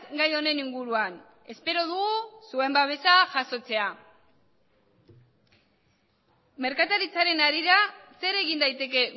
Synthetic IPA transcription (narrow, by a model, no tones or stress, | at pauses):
ɡajo̞ne̞niŋɡuɾuan | e̞spe̞ɾo̞ð̞uɣusue̞mbaβ̞e̞saʝaso̞t͡se̞a | me̞ɾkat̪aɾit͡saɾe̞naɾiɾase̞ɾe̞ɣind̪ajt̪e̞ke̞